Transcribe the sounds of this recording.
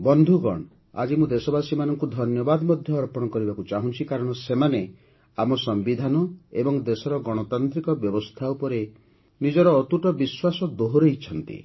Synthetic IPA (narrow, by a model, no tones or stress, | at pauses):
bɔnd̪ʱuɡɔ̰ɽ̃ | a̰d͡ʒimũd̪esɔbasimanɔŋkud̪ʱɔnjɔbad̪ɔmɔd̪ʱjɔːɾpɔɽ̃ɔkɔɾibakut͡ʃaɦũnt͡ʃʰikaɾɔɽ̃ɔsemane | amɔsɔmbid̪ʱanɔebɔŋd̪esɔɾɔɡɔɽ̃ɔt̪ant̪ɾikɔbjɔbɔst̪ʰaupɔɾe | nid͡ʒɔɾɔːt̪uʈɔbiswasɔd̪oɦoɾeit͡ʃʰɔnt̪ḭ